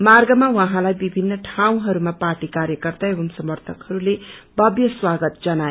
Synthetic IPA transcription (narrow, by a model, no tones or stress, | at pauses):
marɡʌmawʌɦãlajbibʱinːʌʈʰaw̃ɦʌɾumaparʈikaɾjʌkʌrt̪aebʌmsʌmʌrt̪ʰʌkhʌɾulebʱʌbjʌswaɡʌt̪̚d͡zʌna